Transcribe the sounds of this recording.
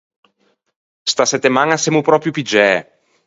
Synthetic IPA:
st̪asɛt̪ːemaŋasɛmupɾɔpɾjupid͡ʒɛ

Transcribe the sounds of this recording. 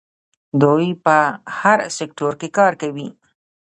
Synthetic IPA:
d̪ojpəhaɾsek̚ʈoɾkekɑɾkawi

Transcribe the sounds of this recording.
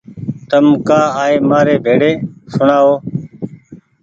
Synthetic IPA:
t̪əmkaːaːeːmaːɾeːbʱeːɽeːsʊɳaːɦoː

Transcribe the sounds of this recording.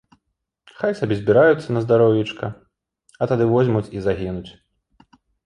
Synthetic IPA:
xajsabʲɛzʲbʲiɾajut̪sːɐnɐzd̪aɾɔwjʲit͡ʂkɐ | ɐt̪ad̪ɨvɔzʲmut͡sʲizaɣʲinut͡sʲ

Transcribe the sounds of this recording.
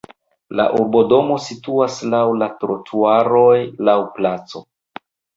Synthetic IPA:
la̰ʔuɾbo̞do̞mo̞situaslawlatɾotʰuaɾo̞jlawplat͡so̞

